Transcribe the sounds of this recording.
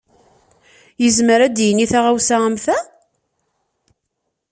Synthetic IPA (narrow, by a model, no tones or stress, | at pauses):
jəzməɾæd̪jənːiθaʁawsaʁəmθæ